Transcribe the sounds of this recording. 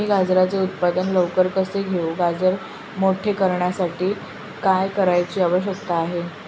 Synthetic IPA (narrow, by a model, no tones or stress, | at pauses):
iːɡad͡zɾat͡seut̪̚pad̪ənləʋkəɾkəseɡʱeuɡad͡zəɾ | moʈʰekəɾɳjasaʈiː | kajkəɾajt͡ɕiːaʋəɭɕ̬jəkt̪aaɦe